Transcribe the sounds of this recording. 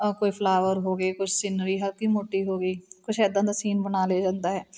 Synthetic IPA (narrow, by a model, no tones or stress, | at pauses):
koːiːpʰlaːʋəɾɦoːɡəiːkʊt͡ʃʰsɪnɾiːɦəɾkiːmoːʈiːɦoːɡəiːkʊt͡ʃʰɛːd̪ãːd̪asiːnbənaːleːd͡ʒãːnd̪aːɦɛː